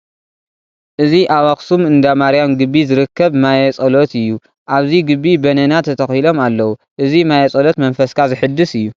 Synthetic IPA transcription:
ʔɨziʔawɐxsumɨnd̪amaɾijamɡɨbːizɨɾɨkːɐβmajɛt͡sʼɐlot̪ɨjːu | ʔaβziɡɨbːibɐnɐnat̪ʰɐt̪ʰɐxilo̞malːɐwu | ʔɨzimajɛt͡sʼɐlo̞t̪mɐnfɐskʰazɨħɨd̪ːɨsɨjːu

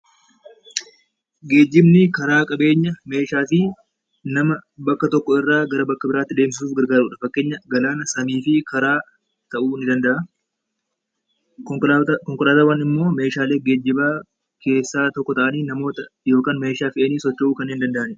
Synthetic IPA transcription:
ɡe̞ːd͡ʒːɪbnɪkɐɾaːkʼɐbe̞ːɲːɐme̞ːʃaːfɪ | nɐmɐbɐkːɐt̪ɔkːɔɪrːaːɡɐɾɐbɐkːɐbɪɾaːt̪ːɪd̪e̞ːmsɪsuːfɡɐɾɡaːɾuːᶑɐfɐkːe̞ːɲːɐɡɐlaːnɐsɐmiːfɪkɐɾaː | t̪ɐʔuːnɪd̪ɐnd̪ɐʔɐ | kɔŋkʊɾaːt̪ɐːwɐnɪmːo̞ːme̞ːʃaːle̞ːɡe̞ːd͡ʒːɪbaː | kʰe̞ːsːaːt̪ɔkːɔt̪ɐʔɐniːnɐmo̞ːt̪ɐjo̞ːkaːnme̞ːʃaːfɪʔɐniːsɔt͡ʃːɛuːkɐnɪnd̪ɐnd̪ɐʔɐnɛ

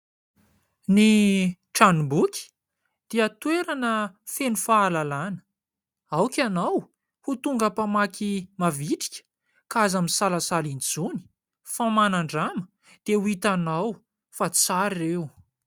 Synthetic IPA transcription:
ni | ʈ͡ʂanubukʲi̥ | d̪̥eat̪weɾanəfenufaːlalanə̥ | awkʲanaw | hut̪uŋɡapamakʰimaviʈ͡ʂi̥kʲə̥ | kaazamisalasalind͡zuni̥ | famanaɳɖ͡ʐamə̥ | d̪̥euit̪anaw | fat͡saɾirew

